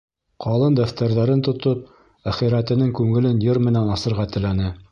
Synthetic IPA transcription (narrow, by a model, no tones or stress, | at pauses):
qʰɑlˠɤnd̪æft̪æɾðæɾɘnt̪ŏt̪op̚ | æχiɾæt̪ɘ̆nɘŋkʉŋɘ̆lɘnjɤɾmɘ̆nænɑsɤ̆ɾʁɑt̪ɘ̆lænɘ